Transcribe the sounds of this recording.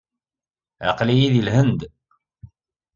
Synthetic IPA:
ʕɑ̰qlijiðilɦənd̪

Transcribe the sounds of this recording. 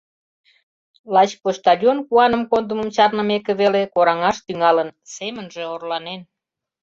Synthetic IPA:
lɑt͡ɕpoʃt̪ɑlʲjonkuɑnəmkond̪əməmt͡ɕɑrnə̆mekĕβelekoɾɑŋɑʃt̪yŋɑlənsemənʒeorlɑnen

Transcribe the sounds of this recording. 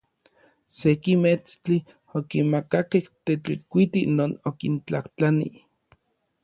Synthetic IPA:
sekimet͡st͡ɬi | okinmakakeht̪et͡ɬikʷit̪inoːnokint͡ɬaht͡ɬanḭ

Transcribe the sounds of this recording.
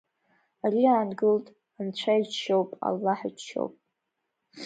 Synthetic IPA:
aɾiaːnɡɨltʼ | ant͡ɕʷʰait͡ʃʃowpʼa̰lːaħit͡ʃʰo̰wpʼ

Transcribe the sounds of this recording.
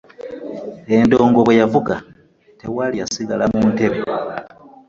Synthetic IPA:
e̞ndo̞ːŋɡo̞βwe̞javuɡa | te̞walijasiɡalamuːnte̞βe

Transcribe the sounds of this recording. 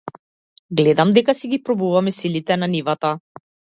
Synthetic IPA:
ɡlɛd̪amd̪ɛkasiɡipɾɔbuvamɛsilit̪ɛnanivat̪a

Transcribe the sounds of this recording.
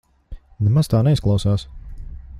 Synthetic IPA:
nɛmaz̥t̪aːnɛisklˠawsaːs

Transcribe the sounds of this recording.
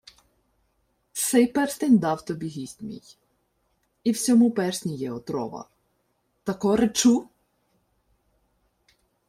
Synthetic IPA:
sejpɛrst̪enʲd̪ɑwt̪ɔbʲiɦʲisʲtʲmʲḭj | iwsʲɔmupɛrsʲnʲijɛɔt̪ɾɔ̰ʋɐ̰ | t̪ɐkɔɾet͡ʃu

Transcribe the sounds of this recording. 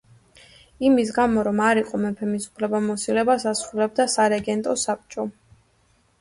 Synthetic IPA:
imis̬ɡamɔɾɔmaɾiqʼɔmɛpʰɛmisu̥pʰlɛbamɔsilɛbasasɾulɛb̚d̪asaɾɛɡɛnt̪ʼɔsap̚t͡ʃʼɔ

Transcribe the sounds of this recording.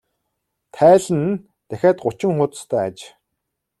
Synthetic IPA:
t̪ʰæːɮɘ̆n | t̪æxʲæːt̪ɢʊt͡ɕɪ̆ŋχʊt̪st̪ʰœːa̰t͡ɕ

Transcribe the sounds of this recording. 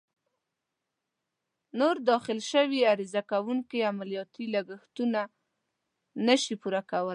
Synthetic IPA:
noɾd̪ɑxɪlʃəwiaɾizakawuŋkiamalijɑt̪ilaɡəxt̪una | nəʃipuɾakawəl

